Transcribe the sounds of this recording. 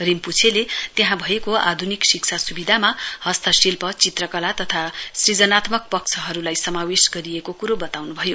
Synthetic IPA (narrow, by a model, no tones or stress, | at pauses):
rimput͡sʰelet̪jeɦãbʱʌekoa̰d̪ʱuniksikt͡sʰasubid̪ʱamahʌst̪ʌsilpʌt͡sit̪rʌkʌlat̪ʌt̪ʰasrid͡zʌnat̪mʌk̚pʌk̚t͡sʰʌɦʌɾulajsʌmawesɡʌɾijekokuɾobʌt̪awnubʱʌjo